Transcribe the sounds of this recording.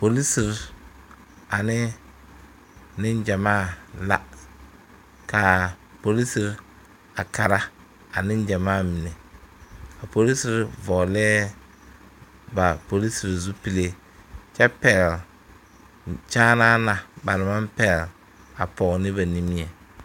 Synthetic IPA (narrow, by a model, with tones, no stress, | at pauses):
po˨li˦si˨ɾ | a˨nɪ˦ | nɪ˦n˦d͡ʒa˨maː˦˨la̰˦ | ka˨po˨li˦si˨ɾ | a˨ka˨ɾa˦ | a˨nɪ˦n˦d͡ʒa˨maː˦˨mi˨ne˨ | a˨po˨li˦si˦ɾvɔ˨lɛː˦ | ba˨po˨li˦si˨ɾzu˦pi˦le˦ | t͡ʃɛ˦pɛ˨l | t͡ʃaː˦naː˦na˨ba˨ɾɪ˨ma˦mpɛ˦˨l | a˨pɔ˨ɣnɪ˦βa˨ni˦mi˦ɛ˨